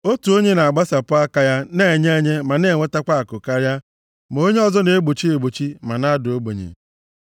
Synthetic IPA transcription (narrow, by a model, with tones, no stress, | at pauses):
o˦tu˨o˦ɲe˦na˨a˨ɡ͡ba˦sa˨pʊ˦a˦ka˨ja˦ne˨ɲe˦ɲe˦ma˨ne˨ŋʷe˦ta˦kʷa˦˨kʊ˨ka˦ɾja˦ | m˨o˦ɲe˦ɔ˦˨zɔ˦ne˨e˦ɡ͡bo˨t͡ʃi˦e˨ɡ͡bo˨t͡ʃi˦ma˨na˦dʊ˨o˦ɡ͡bḛ˨ɲḛ˨